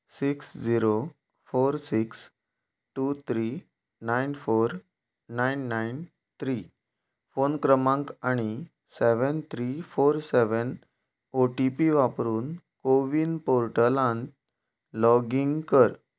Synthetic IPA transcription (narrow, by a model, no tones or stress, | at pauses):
siksd͡ʑiɾo | foɾsiks | ʈut̪ʰɾi | najnfoɾ | najnːajn | t̪ʰɾi | fonkɾəmãŋkaɽ̃i | seʋənt̪ʰɾifoɾsɛʋən | oʈipiʋapɾuːn | koʋinpoɾʈəlãnt̪ | lɔɡiŋɡkəɾ